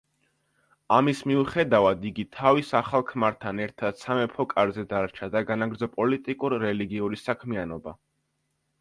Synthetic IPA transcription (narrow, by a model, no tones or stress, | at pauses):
amismiuχɛd̪avad̪iɡit̪ʰavisaχalˠkʰmaɾt̪ʰanɛɾt̪ʰad̪̥samɛpʰɔkʼaɾzɛd̪aɾt͡ʃʰad̪aɡanaɡɾd̪zɔpʼɔlit̪ʼikʼuɾːɛliɡiuɾisakʰmianɔba